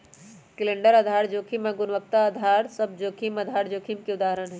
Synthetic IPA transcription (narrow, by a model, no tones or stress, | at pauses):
kileɳɖəɾəd̪ʱaɾd͡ʒokʰimẽɡunʋək̚t̪aəd̪ʱaɾsəb̚d͡ʒoːkʰiməd̪ʱaɾd͡ʒoːkʰimkeud̪aɦəɾənɦɛ